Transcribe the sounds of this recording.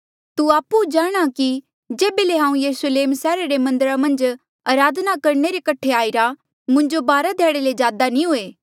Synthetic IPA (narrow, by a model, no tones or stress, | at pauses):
t̪uaːpud͡ʒaːɽ̃aki | d͡ʒeːbeleɦãːũjɐɾʊsəleːmsɛːɾaɾemɐ̃nd̪əɾamɐ̃nd͡ʒ | aːɾaːd̪nakɐɾɳeɾekɐʈʰeaːiɾa | mʊ̃ɲd͡ʒobaːɾad̪ʱɛːɽeled͡ʒaːd̪anĩɦoːeː